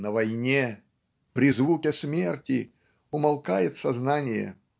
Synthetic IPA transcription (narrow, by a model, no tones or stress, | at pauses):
nəvɐjnʲe | pɾʲɪzvukʲɪsmʲertʲɪ | ʊmɐlˠkajɪt̪sɐznanʲɪjə̰